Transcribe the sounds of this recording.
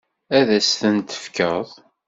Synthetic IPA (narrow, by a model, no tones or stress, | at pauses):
æðæsθənt̪ə̥fkəðˤ